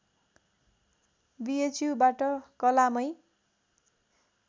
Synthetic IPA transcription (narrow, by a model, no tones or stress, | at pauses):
biet͡sjubaʈʌkʌlamʌj